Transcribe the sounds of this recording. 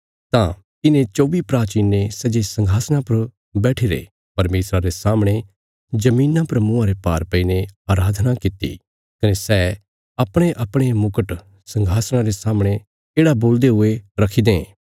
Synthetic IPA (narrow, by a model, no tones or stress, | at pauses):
t̪ã | ɪnẽt͡ʃoːʋipɾaːt͡ʃiːnːesɐd͡ʒesɐ̃ŋɡʱaːsɽ̃ãpɐɾ | bɛːʈʰiɾḛ | pɐɾmeːsɾaɾesaːmɽ̃e | d͡ʒɐmiːnãpɐɾmʊ̃ãɾepaːɾpɐineaːɾaːd̪ʱnakɪt̪ːḭ | kɐnesɛː | ɐpɽ̃eʔɐpɽ̃emʊkəʈ | sɐ̃ŋɡʱaːsɽ̃ãɾesaːmɽ̃e | eːɽaboːld̪eɦʊeɾɐkʰid̪ḛ̃